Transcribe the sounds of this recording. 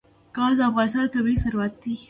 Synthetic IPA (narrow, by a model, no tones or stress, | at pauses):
kɑld̪əafɣɑnɪst̪ɑnt̪awisaɾwat̪̚d̪i